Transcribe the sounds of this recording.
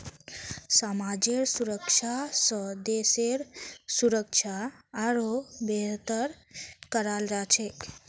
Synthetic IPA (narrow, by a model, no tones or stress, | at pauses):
samad͡ʒeɾsuɾəkʃʰasəd̪eseɾsuɾəkʃʰaːɾobet̪əɾ | kəɾald͡ʒat͡ʃʰe